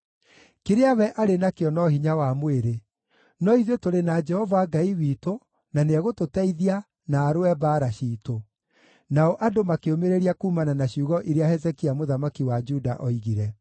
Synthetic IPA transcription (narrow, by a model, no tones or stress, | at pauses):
keɾeawɛʔaɾenakeɔnɔhiɲawamweɾe | nɔiðjotoɾenad͡ʒɛhɔvaɡaiwiːto | naneɛɣototɛiðia | naːɾoɛbaːɾaɕiːto | naɔʔadomakeomeɾeɾiakuːmananaɕiuːɣɔʔiɾeahɛzɛkiamoðamakiwad͡ʒudaʔɔiɣiɾɛ